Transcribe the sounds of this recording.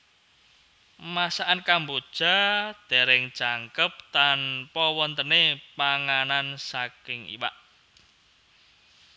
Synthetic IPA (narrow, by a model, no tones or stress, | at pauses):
masaʔankambod̥ʒ̥a̤d̪̥e̤ɾɛŋ̥t͡ʃaŋkəp̚t̪anpɔwɔnt̪ənepaŋanansakɪŋḭwa̰ʔ